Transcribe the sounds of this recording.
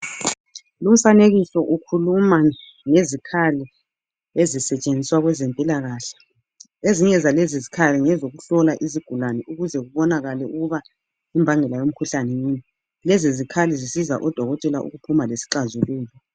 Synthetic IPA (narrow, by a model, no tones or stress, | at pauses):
lum̩faneɣisɔʔukʰuluma | ŋezikʰali | ezisɛt͡ʃʼend͡zʱiswaɣwɛzɛmpʼilaɣaːɬɛ̥ | eziɲɛzalezizikʰaliŋɛzoɣuɬɔlaʔiziɡ̥ʱulanɛuɣuzɛɣuβɔnaɣalɛuɣuβa | imbʱaŋɛlajom̩kʰuɬanɛjiːɲɛ | lɛzizikʰalizisiza̰ʔɔd̥ʱɔɣɔtʼɛlaʔṵɣupʰumalesi̥ǁazuluːlɔ